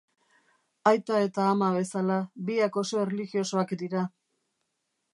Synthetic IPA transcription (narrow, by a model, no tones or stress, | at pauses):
ajt̪ae̞t̪aːmaβe̞salabiako̞so̞ereliɣio̞so̞akd̪iɾa